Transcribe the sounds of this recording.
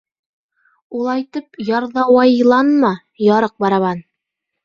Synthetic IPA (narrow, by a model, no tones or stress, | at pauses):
ulˠɑjt̪ɤpjɑɾðɑwɑjlˠɑnmɑ | jɑɾɤq̚bɑɾɑβɑn